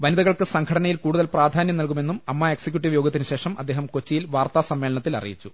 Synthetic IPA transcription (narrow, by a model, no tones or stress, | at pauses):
ʋɐniðɐɣɐɭkɨsɐŋɡʰɐɽɐnɐjilkuːɽuðɐlpraːd̪ʱaːnjɐmnɐlk̬ume̞nːumɐmːɐeksɐkjuʈ̬ːiʋjoːɡɐt̪ːinɨɕe̞ːʂɐmɐd̪ːe̞ːɦɐmko̞t͡ɕːijilʋaːrt̪aːsɐmːelɐɳɐt̪ːilɐ̰rḭjit͡ɕːu